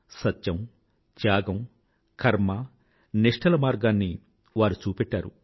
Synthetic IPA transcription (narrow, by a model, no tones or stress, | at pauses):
sɐtjɐm | t͡ʃjaːɡɐm | kʰɐɾmɐ | niʂʈʰɐlɐmaːɾɡaːnːi | ʋaːɾut͡ʃuːpɛʈːaːɾṵ